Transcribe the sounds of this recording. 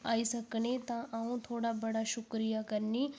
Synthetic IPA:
aːisəkɳet̪ãʔãũt̪ʰoːɽabəɽaɕukɾijakəɾni

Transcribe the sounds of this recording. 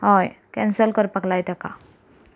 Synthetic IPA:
ɦɔjkɛ̃nsəlkəɾpəklajt̪ɛka

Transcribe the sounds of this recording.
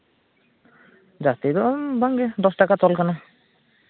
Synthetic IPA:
d͡ʒat̪id̪ɔbaŋɡɛd̪ɔsʈakat̪ɔlkana

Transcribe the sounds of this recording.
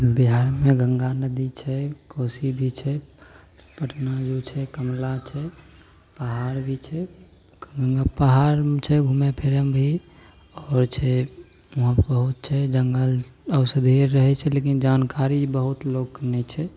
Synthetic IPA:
biɦaɾmẽɡəŋɡanəd̪it͡ʃʰɛkoːsibʱit͡ʃʰɛ | pəʈnajut͡ʃʰɛkəmlat͡ʃʰɛ | pəɦaːɾbʱit͡ʃʰɛ | ɡəŋɡapəɦaɾt͡ʃʰɛɡʱumepʰeɾəmbʱi | ɔːɾt͡ʃʰɛ | uɦãbəɦʊt̪̚t͡ʃʰɛd͡ʒəŋɡələʊsəd̪ʱeɾːəɦɛt͡ʃʰɛleːk̬ind͡ʒaːnkaɾibəɦʊt̪loːɡnɛt͡ʃʰɛ

